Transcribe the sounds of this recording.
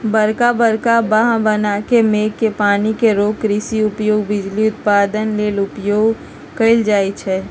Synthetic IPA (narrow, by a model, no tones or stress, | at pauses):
bəɾkabəɾkabaɦãbənakemeːkːepaːnikeɾoːkɾiːsiʊpjoːɡbɪd͡ʒliʊt̪̚paːd̪ənleːlʊpjoːɡ | kəɪld͡ʒaːit͡ʃʰɛː